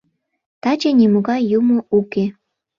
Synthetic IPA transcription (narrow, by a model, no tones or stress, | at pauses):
t̪ɑt͡ɕenʲimuɣɑjːumouke